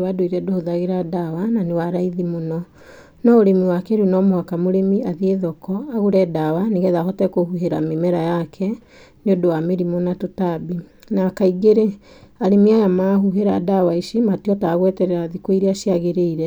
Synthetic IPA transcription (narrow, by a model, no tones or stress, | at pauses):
wadoiɾɛdohoðaɣeɾadawananewaɾaiðimonɔ | nɔoɾemiwakɛɾwenɔmohakamoɾemiaðieðɔkɔaɣuɾɛdawaneɣɛðaɦɔtɛkohuɦeɾamemɛɾajakʰɛ | neodowameɾimonatotabi | naːkaiɡeɾe | aɾemiajamaːɦuɦeɾadawaiʃimatiɔtaːɣwɛtɛɾɛɾaðikwoiɾeaʃiaɣeɾeiɾɛ